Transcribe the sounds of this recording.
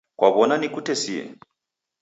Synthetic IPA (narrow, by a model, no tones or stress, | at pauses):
kwʔaβɔnanikutɛsiɛ̰